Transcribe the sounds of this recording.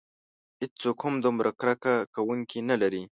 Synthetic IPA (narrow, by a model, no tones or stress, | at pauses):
hɪd͡ʒt͡sokhʊmd̪umɾʔakɾakakawuŋkinalaɾi